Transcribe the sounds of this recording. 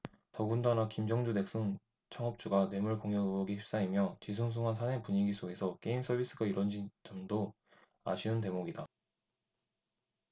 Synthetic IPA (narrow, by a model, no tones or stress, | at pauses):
tʌɡundanakimd͡ʑʌŋd͡ʑude̞k̚s͈ɯŋ | t͡ɕʰʌŋʌp̚t͡ɕ͈uɡanwe̞muɭkoŋjʌɡɯbʌɡihʰip̚s͈aɦimjʌt͡ɕis̬ʰoŋs̬ʰuŋɦansʰane̞puɲiɡis͈ʰoɡe̞sʰʌk͈e̞ims͈ʰʌbʱis͈ɯɡaiɾwʌnd͡ʑit͡ɕʌmdo | a̰ɕʰiɯnte̞moɡida